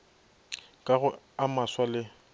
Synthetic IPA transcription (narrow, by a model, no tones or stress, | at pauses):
kʼaɣʊ | amaswalɪ